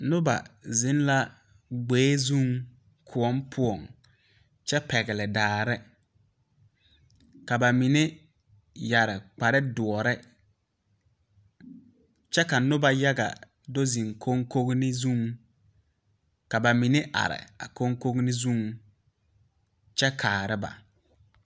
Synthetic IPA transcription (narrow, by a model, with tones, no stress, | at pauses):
nʊ˦ba̰˨zɪ˦n˦la˦ | ɡ͡beː˨˦zu˦˨ŋ | kʰʊ˨ɔ˦mpʰʊ˦ɔ˨ŋ | t͡ʃɛ˦pɛ˨ɣɪ˨lɪ˨daː˨ɾɪ˦ | ka˨ba˨mi˨nɪ˦ | ja˨ɾɪ˨k͡pa˨ɾɪ˦dʊ˨ɔ˨ɾɛ˦ | t͡ʃɛ˦ka˨nʊ˦ba˨ja˦ɡa̰˨ | do˦zi˨ŋkʰo˦ŋko˦ɡnɪ˦zũ˦˨ŋ | ka˨ba˨mi˨nɪ˦ʔa̰˨ɾɪ̰˨a˨ko˦ŋko˦ɡnɪ˦zũ˦˨ŋ | t͡ʃɛ˦kʰaː˨ɾɪ˦ba̰˨